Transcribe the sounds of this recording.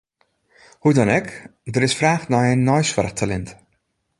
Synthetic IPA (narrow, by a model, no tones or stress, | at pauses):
hudɔnɛkdəɾɪsfraːxnajənːɔjsfərxtʰalɛnt